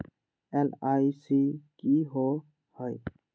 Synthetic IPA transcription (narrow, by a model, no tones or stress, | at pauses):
elaːisikiɦo | həj